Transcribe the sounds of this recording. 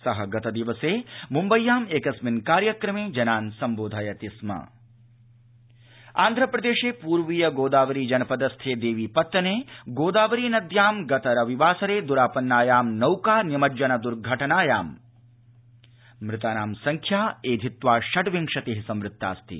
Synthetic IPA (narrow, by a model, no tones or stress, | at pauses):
sɐɦɐɡɐt̪ɐd̪iʋɐseːmumbɐjːaːmeːkɐsminkaːɾjɐkɾɐmeːd͡ʒɐnaːnsɐmboːd̪ʱaːjɐt̪ismɐ̰ | a̰ːnd̪ʱɾɐpɾɐd̪eːʃeːpuːɾʋijɐɡoːd̪aːʋɐɾiːd͡ʒɐnɐpɐd̪ɐst̪ʰeːd̪eːʋiːpɐt̪ːɐneːɡoːd̪aːʋɐɾiːnɐd̪ʱjaːmɡɐt̪ɐɾɐʋiʋaːsɐɾeːd̪uɾaːpɐnːaːjaːmnɐwkaːnimɐd͡ʒɐnɐd̪uɾɡʱɐʈɐnaːjaːm | mɾɪt̪aːnaːmsɐŋkʰjaːeːd̪ʱit̪ʋaːʃɐʈʋiŋʂɐt̪eɦisɐmɾɪt̪ːa̰ːst̪ʰḭ